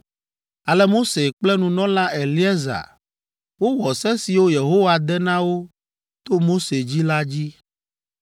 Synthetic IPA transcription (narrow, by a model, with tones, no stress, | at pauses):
a˨lɛ˦mo˦se˨k͡plɛ˦nũ˨nɔ̃˦lã˦e˨li˦ɛ˦za̰˨ | wo˦wɔ˨sɛ̃˦si˨wo˦je˨ɦo˦wa˨d̪ɛ˦nã˦wo˦ | t̪o˦mo˦se˨d͡ʑi˦la˦d͡ʑi˦